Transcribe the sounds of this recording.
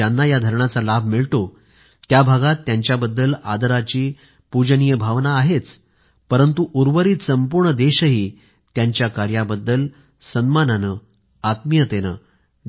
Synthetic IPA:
anːajad̪ʱəɾɳat͡salab̚ʱmiɭt̪o | t̪jabʱaɡat̪ːjaɲt͡ɕjabəd̪ːəlad̪əɾat͡ɕiː | pud͡ʑnijəbʱaʋnaːɦet͡s | pəɾənt̪uʔuɾʋəɾiːt̪səmpuɾɳəd̪eɕəɦiː | t̪jaɲt͡ɕjakaɾjabəd̪ːəl | sənmananə | at̪mijət̪enə

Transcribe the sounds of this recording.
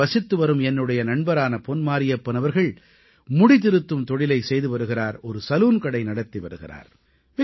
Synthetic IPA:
ɐsɪt̪ːɯʋɐɾɯmɛnːɯɽɐjɐnɐɳbɐɾaːnɐpɔnmaːɾɪjɐpːɐnɐʋɐɾɣɐɭ | mʊɽɪt̪ɪɾɯt̪ːɯmt̪ɔɽɪlɐɪsɛjðɯʋɐɾɯɣɪraːɾɔɾɯsɐluːnkɐɽɐɪnɐɽɐt̪ːiʋɐɾɯɣɪ̰ra̰ːɾ | ʋɪ

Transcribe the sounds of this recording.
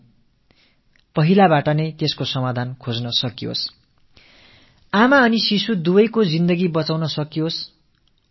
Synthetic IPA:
pʌɦilabaʈʌnʌjt̪eskosʌmad̪ʱankʰod͡znʌsʌkijo̰s | amaʌnisisud̪ubʌjkod͡zind̪ʌɡibʌt͡sawnʌsʌkijos

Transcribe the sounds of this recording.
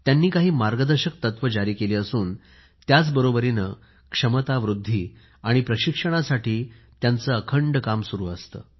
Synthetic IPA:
t̪janːiːkaɦiːmaɾɡəd̪əɾɕək̚t̪ət̪ʋəd͡ʑaɾiːkeliːəsuːn | t̪jat͡sbəɾobəɾinə | kʂəmət̪aʋɾud̪ʱːiː | aɽ̃ipɾəɕikʂəɽ̃asaʈʰiː | t̪jant͡səːəkʰəɳɖkamsuɾṵːəst̪ə̰ː

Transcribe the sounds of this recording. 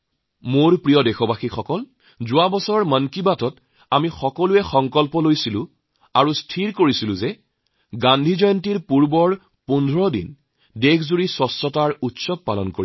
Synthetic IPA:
moɹpɹijɔdɛxɔbaxixɔkɔl | zʊwabɔsɔɔɹmənkibatɔt | amixɔkɔluɛxɔŋkɔlpɔlojsilʊ̃ | aɹustʰiɹkoɹisilʊ̃zɛ | ɡandʱizɔjɔntiɹpuɹbɔɹ | pundʱɹɔdḭn | dekʰzuɹisɔsɔtaɹutsɔb̚palɔnkoɹi

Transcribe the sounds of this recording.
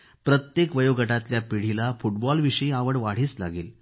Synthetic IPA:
pɾət̪jekʋəjoɡəʈat̪ljapiɽ̤ilafuʈ̚bɔlʋiɕəĩaʋəɽʋaɽ̤iːt͡sla̰ɡḛːl

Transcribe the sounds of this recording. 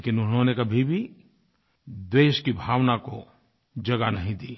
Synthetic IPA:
leːkɪnʊnɦõnekɐbʱibʱi | d̪weːʃkibʱaːʋnako | d͡ʒɐɡanɐɦĩd̪iː

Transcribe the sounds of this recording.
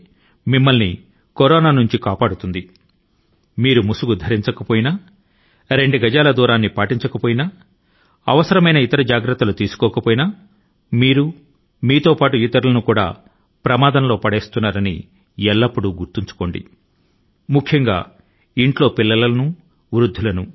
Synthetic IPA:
mimːɐlni | koɾɔːnaːnuɲt͡ʃikaːpaːɽut̪und̪i | miːɾumusuɡud̪ʱɐɾiɲt͡ʃɐkɐpoːjina | ɾe̞ɳɖuɡɐd͡ʒaːlɐd̪uːɾaːnːipaːʈiɲt͡ʃɐkɐpoːjina | ɐ̰ʋɐsɐɾɐmɐjnɐit̪ɐɾɐd͡ʒaːɡɾɐt̪ːɐlut̪iːsu̥kɔːkɐpoːjinɐ | miːɾu | miːt̪o̞ːpaːʈujit̪ːɐɾulɐnukuːɽa̰ː | pɾɐmaːd̪ɐnlo̞ːpɐɽeːst̪unːaːɾɐnḭ | ɛlːɐpːuɽuɡuɾt̪iɲt͡ʃu̥ko̞ːɳɖḭ | mukʰjɐŋɡa̰ː | iɳʈlo̞ːpilːɐlɐlɐnu | ʋɾud̪ʱːulɐnu

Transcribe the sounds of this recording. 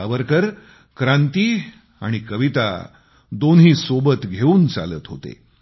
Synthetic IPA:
aʋəɾkəɾ | kɾãnt̪iː | a̰ɽ̃ikəʋit̪a̰ | d̪onɦiːsobət̪ɡʱeuːnt͡sa̰lə̰ːt̪ɦot̪ḛ

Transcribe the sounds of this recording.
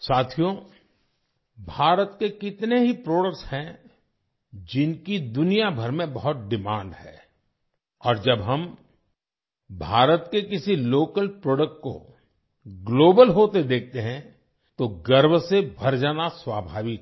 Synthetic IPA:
saːt̪ʰijõ | bʱaːɾət̪kekɪt̪neɦipɾoːɽəkʈshɛ̃ | d͡ʒɪnkid̪ʊnijabʱɐɾmẽbɐɦʊt̪̚ɖɪmãːɳɖɦɛː | ɔːɾd͡ʒɐbɦɐm | bʱaːɾət̪kekɪsiloːkəlpɾoːɖək̚ʈ̚ko̰ | ɡloːbəlɦoːt̪ed̪eːk̚ʰt̪eɦɛ̃ | t̪oɡɐɾbsebʱɐɾd͡ʒaːnaswaːbʱaːʋɪk̪

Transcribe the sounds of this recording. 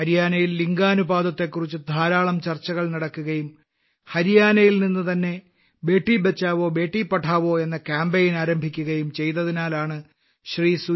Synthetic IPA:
ɐɾijaːnɐjilːiŋɡaːnubaːd̪ɐt̪ːe̞kːurit͡ɕːɨd̪ʱaːɾaːɭɐmt͡ɕɐrt͡ɕːɐɣɐɭnɐɽɐkːuɣɐjum | hɐɾijaːnɐjilninːɨt̪ɐnːe̞ | be̞ːʈːibet͡ɕːaːʋo̞ːbe̞ːʈːipːɐʈʰːaːʋo̞ːe̞nːɐkaːmbejinaːɾɐmbʱikʲːuɣɐjumt͡ɕe̞jt̪ːɐðinaːlaːɳɨ | ɕriːsu

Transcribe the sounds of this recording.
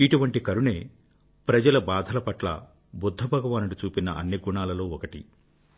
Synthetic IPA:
iʈuʋɐɳʈikɐɾuɳe̞ː | pɾɐd͡ʒɐlɐbaːd̪ʱɐlɐpɐʈlɐ̰ | bud̪ʱːɐbʱɐɡɐʋaːnuɽut͡ʃuːpinɐʔɐnːiɡuɳaːlɐlo̞ːɔkɐʈḭ

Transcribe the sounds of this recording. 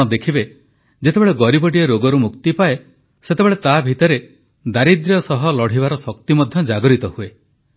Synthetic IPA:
ɔd̪ekʰibe | d͡ʒet̪ebeɭeɡɔɾibɔʈiɔɾoɡɔɾumukt̪ipae | set̪ebeɭet̪abʱit̪ɔɾe | d̪aɾid̪ɾjɔsɔɦɔlɔɽ̤ibaɾɔsɔkt̪imɔd̪ʱjɔd͡ʒaɡɔɾit̪ɔhue

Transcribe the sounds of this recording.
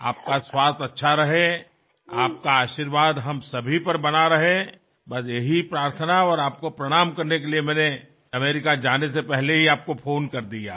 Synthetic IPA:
a̰ːp̚kaswaːst̪ɐtːʃʰaɾɐɦe | aːp̚kaaːʃiːɾʋaːd̪ɦɐmsɐbʱipɐɾbɐnaɾɐɦẽ | bɐs̬jeɦipɾaːɾt̪ʰənaɔːɾaːp̚kopɾɐɽ̃aːmkɐɾnek̬eliemɛ̃ːne | ɐmeːɾɪkad͡ʒaːnesepɛɦleɦiaːp̚kopʰoːnkɐɾd̪ija̰ː

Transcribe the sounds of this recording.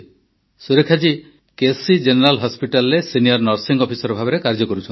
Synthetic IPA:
suɾekʰad͡ʒi | kesid͡ʒeneɾalɦɔspiʈalɾesinijɔɾnɔɾsiŋɡɔpʰisɔɾɔbʱabeɾekaɾd͡ʒɔkɔɾut͡ʃʰɔn

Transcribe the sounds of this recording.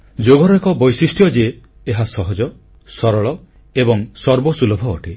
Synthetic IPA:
d͡ʒoɡɔɾɔekɔbɔjsisʈʰjɔd͡ʒeː | ɦasɔɦɔd͡ʒɔ | sɔɾɔɭɔ | ebɔŋsɔɾbɔsulɔbʱɔːʈʰe

